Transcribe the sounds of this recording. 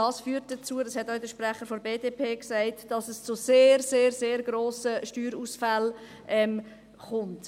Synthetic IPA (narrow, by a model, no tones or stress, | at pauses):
ɑːsfyːɾt̚d̥ət͡suːədɑshɛtɔʊdəʃpɾæχəɾfɔɾbeːdepʰeːksæɪtd̥ɑsəst͡suseːɾseːɾseːɾɡ̥ɾoːsəʃtyːɾuːsfæl | ʔɛm | χʊnt